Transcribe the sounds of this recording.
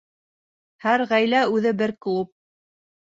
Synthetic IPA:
hæɾʁæjlæʉðɘbɘɾklup̚

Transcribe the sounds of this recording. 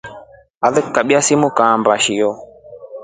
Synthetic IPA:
aðɨkːaɓiasimukambaʃijɔ

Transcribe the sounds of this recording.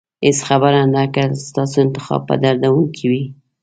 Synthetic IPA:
ɪsxabaɾand̪akast̪ɑsoɪnt̪ɪ̥xɑ̰b̚pə̰d̪aɾd̪awuŋkʰiwi

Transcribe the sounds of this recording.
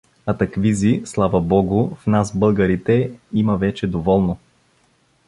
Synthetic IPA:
ɐt̪ɐkvizislˠavɐbɔɡʊfnasbɤlˠɡəɾit̪ɛimɐvɛt͡ʃɛd̪ovɔlˠno

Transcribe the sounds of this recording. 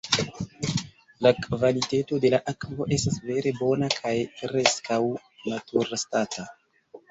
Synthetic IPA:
lakvaliteto̞de̞laʔakvo̞ʔe̞stasve̞ɾe̞bo̞nakʰajpɾe̞skʰaw | natuɾstatʰa

